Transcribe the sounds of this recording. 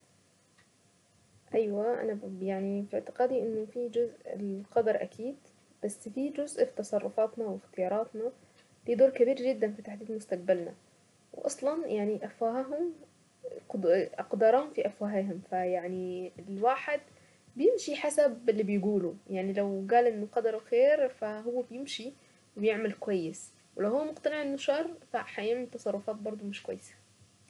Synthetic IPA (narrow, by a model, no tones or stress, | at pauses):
ʔajwaʔa̰najaʕnifɪʕt̪ɪ̥qɑːd̪iʔɪnːʊfid͡ʒʊzʔlqɑd̪ɑɾˤʔa̰kʰiːd̪ | b̥asːfid͡ʒʊzʔfit̪ɑsˤɑrˤːʊfɑːt̪nawɪxt̪ɪjɑːɾˤɑːt̪na | liːd̪oːɾkabiːɾʒɪd̪ːanfit̪aħd̪iːd̪mʊst̪aq̚balna̰ | w̰ʔɑ̰sˤlɑnjʔaʕniʔafaɦaɦʊm | ʔɑqd̪ɑɾˤɑːhʊmfiʔafwaːɦeɦʊmfajaʕnilwaːħɪd̪ | bjɪmʃiħasabɪlːibɪjɡuːlujaʕnilawɡæːlʔɪnːʊqɑd̪ɑɾˤuxeːɾfaɦʊwːabjɪmʃi | wɪbjeʕmalkwajːɪs | wɪlæwhʊwːmʊqt̪ɑnɪʕɪnːʊʃɑːɾˤfaħajaːmnt̪ːɑsˤɑrˤːʊfɑːt̪̚bɑɾˤd̪ˤumɪʃkwa̰jːɪsḁ